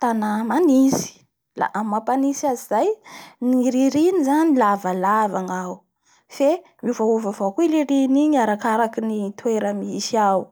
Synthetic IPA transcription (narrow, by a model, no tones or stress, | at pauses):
t̪anamanisi̥ | la̰ʔammapanisiazizajniɾiɾinizanilavalavaŋaw | fe | miuvauvavokuileɾiniɲaɾakaɾakinit̪weɾəmisiaw